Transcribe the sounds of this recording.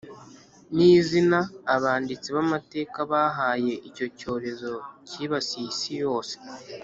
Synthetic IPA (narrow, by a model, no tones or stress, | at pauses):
niːzinaːβaːndit͡siβamate̞ːkaβaɦaːje̞ʔico̞co̞ːɾe̞zo̞ciːβasiːsijo̞ːse̥